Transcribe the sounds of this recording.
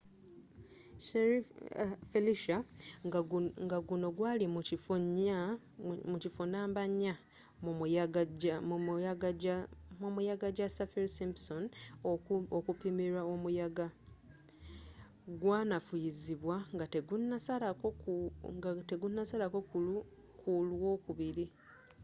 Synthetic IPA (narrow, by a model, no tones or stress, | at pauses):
ʃeɾifeliʃa | ŋɡaɡuno̞ɡwaːlimucifuɲa | mucifunaːmbaɲa | mu | aɡaamumujaɡaɟasafiɾsimpson | okupimeɾaomujaɡa | ɡwaːnafujiziβwaŋɡateɡunːasalakoute̞ɡunːasalako̞kulu | kʰulwo̞ːkuβiɾi